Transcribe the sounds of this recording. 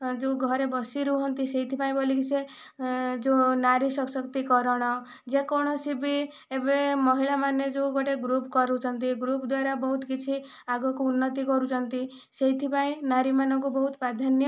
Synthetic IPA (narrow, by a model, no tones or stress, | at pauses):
d͡ʒoɡʱɔɾebɔsiɾuɦɔnt̪iseɦit̪ʰipaĩbolikise | d͡ʒonaɾisɔksɔkt̪ikɔɾɔɽ̃ɔ | d͡ʒekɔɽ̃ɔsibi | ebemɔɦiɭamaned͡ʒoɡɔʈeɡɾupkɔɾut͡ʃʰɔnt̪iɡɾupd̪waɾabɔɦut̪kit͡ʃʰi | aɡɔkuunːɔt̪ikɔɾut͡ʃʰɔnt̪i | seit̪ʰipaĩnaɾimanɔkubɔɦut̪pɾad̪ʱanj